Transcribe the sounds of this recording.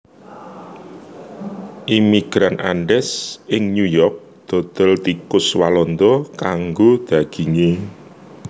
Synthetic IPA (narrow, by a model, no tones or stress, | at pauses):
ʔimiɡ̥ɾanʔaɳɖɛsɪŋnujɔrk̚ | d̪̥ɔ̤d̪̥ɔ̤lt̪ikʊswalɔnd̪ɔkaŋɡod̪̥ä̤ɡ̥i̤ŋe